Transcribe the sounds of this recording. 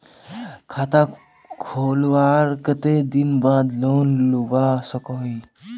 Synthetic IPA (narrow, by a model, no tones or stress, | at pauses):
kʰat̪a | kʰoːlʋaɾkət̪ed̪inbaːd̪loːnlubasəkoi